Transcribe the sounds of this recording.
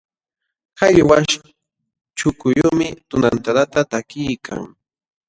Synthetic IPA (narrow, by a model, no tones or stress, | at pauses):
haʎwaʃ | t͡ʃʊkʊjomɪt̪ʊnant̪aɾat̪at̪akɪjkʰa̰ŋ